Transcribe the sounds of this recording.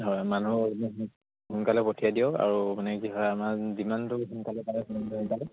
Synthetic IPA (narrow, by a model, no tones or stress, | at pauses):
ɦɔjmanuɦ | ɦunkalɛpotʰijadijɔka̰ɹumanɛkiɦɔjamaɹzimantʊɦunkalɛpalɛkunantuɦunkalɛ